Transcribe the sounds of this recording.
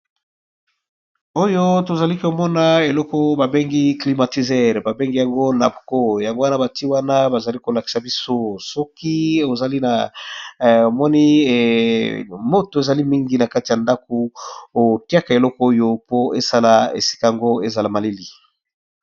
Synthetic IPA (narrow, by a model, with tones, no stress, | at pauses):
o˦jo˦to˨za˨li˦ko˨mɔ˦na˦e˨lɔ˦kɔ˦ba˨be˦ŋɡi˦kli˨ma˨ti˨zɛ˦˨ʁba˨be˦ŋɡi˦ja˨ŋɡo˦la˨bko˦ja˨ŋɡo˦wa˦na˦ba˨ti˦wa˦na˦ba˨za˨li˦ko˨la˨ki̥˨sa˨bi˦so˦sɔ˦ki˦o˨za˨li˦na˨ | o˨mɔ˦ni˦ | mo˦to˨e˨za˨li˦mi˦ŋɡi˨˦na˨ka˦ti˨ja˨nda˦ko˨o˨ti˦a˦ka˨e˨lɔ˦kɔ˦o˦jo˦po˦e˦sa˦la˨ḛ˨si̥˦ka˦˨a˨ŋɡo˦e˦za˨la˨ma˨le˦li˨